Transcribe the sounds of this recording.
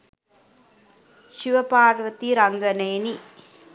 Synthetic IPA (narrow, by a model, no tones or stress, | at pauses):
ʃɪʋɐpaːɾʋɐt̪ːiɾɐŋɡɐneːni